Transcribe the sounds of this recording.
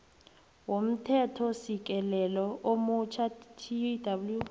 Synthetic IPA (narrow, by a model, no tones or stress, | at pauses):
wom̩tʰɛtʰɔsik̬ʼɛlɛlɔʔomut͡ʃʰatʰidabulju